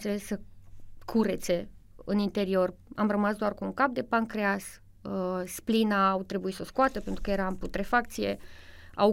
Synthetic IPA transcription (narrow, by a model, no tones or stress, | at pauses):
t̪selessəkʰuɾe̞t̪se̞ɨnint̪e̞ɾio̞ramrəmasd̪oarkuuŋkap̚d̪e̞pankɾeas | əsplinaːwt̪ɾe̞buit̪səskoat̪əpe̞nt̪ɾukəjeɾamput̪ɾefakt̪sije̞̰ | a̰w